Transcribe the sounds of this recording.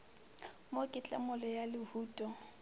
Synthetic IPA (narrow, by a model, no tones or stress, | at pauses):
mokʼɪt͡ɬʼa̰mʊlɔjalɪhuːtʼɔ